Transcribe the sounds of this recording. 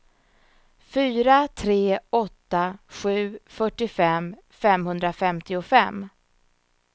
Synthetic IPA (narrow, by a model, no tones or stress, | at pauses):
fyːɾat̪ʰɾeːɔt̪ːaɧʉ̟ːfœʈːɪfɛm | fɛmhɵnd̪ɾafɛmt̪ɪʊfɛmː